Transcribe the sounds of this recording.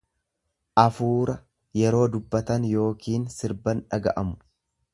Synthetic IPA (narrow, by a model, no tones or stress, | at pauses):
ʔɐfuːɾɐ | jɛɾo̞ːd̪ʊbːɐt̪ɐnjo̞ːkiːnsɪɾbɐnᶑɐɡɐ̰ʔɐmʊ̥